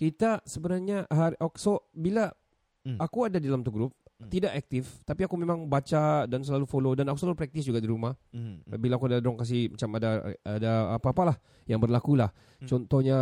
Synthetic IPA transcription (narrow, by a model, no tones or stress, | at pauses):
kit̪asəbənarɲaɦaʔoksobilaː | kuadadidalamt̪uɡɾʊp̚t̪idaʔɛk̚t̪ɪft̪apiakumemaŋbat͡ʃadans̬əlalufolodanakusəlalupɾɛk̚t̪ɪsd͡ʒuɡadiɾumahbilaːkuadadɾɔŋkas̬ihmat͡ʃamadaadaːpaːpalah | jaŋbərlakulah | t͡ʃɔnt̪ɔhɲa